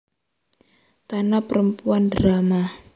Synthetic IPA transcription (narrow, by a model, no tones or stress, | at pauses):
t̪anapəɾəmpuandɾama